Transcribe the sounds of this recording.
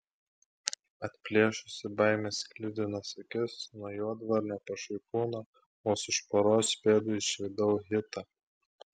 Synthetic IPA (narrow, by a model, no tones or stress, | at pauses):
ɐt̪ʲpʲlʲeːʃʊsʲɪbɐɪmʲeskʲlʲɪd̪ʲɪnɐsɐkʲɪsnɔjoɔd̪ʋɐɾʲnʲoːpɐʃɐɪkuːnɐ | oːsɪʃpoɾoːspʲeːd̪ʊɪʃʲɪd̪ɐʊɦʲɪt̪ɐ